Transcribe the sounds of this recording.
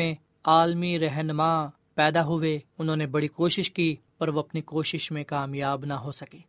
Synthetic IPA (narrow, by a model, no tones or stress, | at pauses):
ẽ | aːlmiɾɛɦnmãː | pɛːd̪aɦʊʋeʊnɦõːnebɐɽikoːʃɪʃkiːpɐɾʋoɐpnikoːʃɪʃmẽkaːmjaːbnaɦosɐkeː